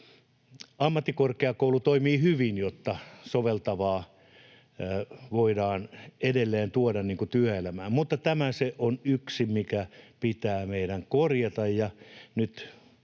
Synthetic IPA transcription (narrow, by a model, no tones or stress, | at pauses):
ɑmːɑt̪ːikorkeɑkoulut̪oimiːhyʋinjot̪ːɑsoʋelt̪ɑʋɑː | ʋoidɑːnedelːeːnt̪uodɑnniːŋkut̪yæelæmæːmmut̪ːɑt̪æmæseʔonyksimikæpit̪æːmeiɾæŋkorjɑt̪ɑjjɑnyt̪